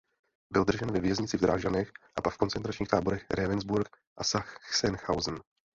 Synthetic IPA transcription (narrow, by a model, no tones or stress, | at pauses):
bɪld̪r̩ʒɛnvɛvjɛzɲɪt͡sɪvd̪ɾaːʒanɛxʔapakfko̞nt͡sɛnt̪ɾat͡ʃɲiːxt̪aːbo̞ɾɛxɾʔɛvɛnzbuɾk | ʔasaxsɛnxawzn̩